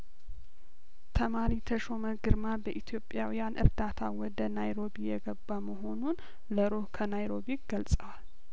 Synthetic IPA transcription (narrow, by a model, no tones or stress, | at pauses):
t̪ʰəmaɾit̪ʰəʃo̞məɡɨɾmabəʔit̪ʰjo̞pʼjawijanʔɨ̰ɾd̪at̪ʰawɔd̪ənajɾo̞bijɛɡəbːaməɦo̞nun | ləɾohkʰənajɾo̞biɡ̥əlsʼəwal